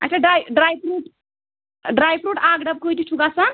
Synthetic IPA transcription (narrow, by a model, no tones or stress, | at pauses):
a̰tʰaɖɾajɖɾajpɾuʈ | ɖɾajpɾuʈaɡɖəb̚kojt̪iʈʰukasən